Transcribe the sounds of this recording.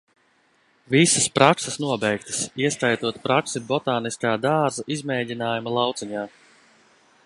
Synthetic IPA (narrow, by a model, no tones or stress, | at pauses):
visɐ̥spɾaksɐsnuɔbɛjkt̪ɐ̥siɛst̪ajt̪uɔt̪pɾaksibɔt̪aːniskaːd̪aːɾzaʔizmɛːdʲinaːjumɐlˠɑwt̪siɲaː